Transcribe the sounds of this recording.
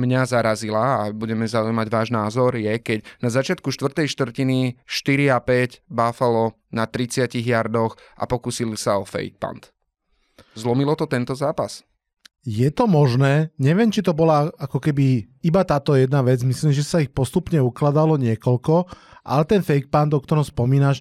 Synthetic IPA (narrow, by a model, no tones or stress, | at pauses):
mɲazaɾazilaːbuɟɛmɛzaujmaɟʋaːʒnaːzɔɾjɛkɛcnazat͡ʃɪat̪kuʃt̪ʋr̩t̪ɛjʃt̪ʋr̩ciniʃt̪iɾiapɛɟbaːfalɔ | nat̪ɾit͡sɪaciɣjaɾd̪ɔxʔa̰pɔkusilisaɔfɛ̰jk̚pa̰nt̪ | zlɔmilɔt̪ɔt̪ɛnt̪ɔzaːpas | jɛt̪ɔmɔʒnɛːɲɛʋɪɛmt͡ʃit̪ɔbɔlaakɔkɛbiibat̪aːt̪ɔjɛd̪naʋɛd͡zmisliːmʒɛsaixpɔst̪upɲɛuklad̪alɔɲɪɛkɔʎkɔʔa̰lɛt̪ɛnfɛjk̚pand̪ɔkt̪ɔɾɔmspɔmiːnaʃ